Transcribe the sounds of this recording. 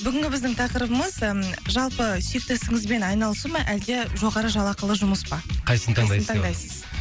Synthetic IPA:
bʏɡʲɪŋʲɡʲɪbɪzd̪ɪŋt̪ʰɑqəɾəbəməzʒɑlˠpəsek̚t̪esɪŋɪzbe̞nɑjnɑlˠsuməʔæld̪e̞ʒo̞ʁɑɾəʒɑlˠɑqəlˠəʒʊməspɑqʰɑjsənət̪ʰɴnt̪ʰɑɴd̪ɑjsəz̥

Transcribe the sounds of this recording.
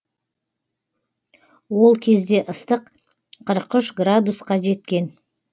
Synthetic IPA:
wo̞lˠkʲʰe̞zd̪e̞ʔəst̪əq | qʰːəɾəqʏʃɡrad̪usqɑʒe̞t̪kʲe̞n

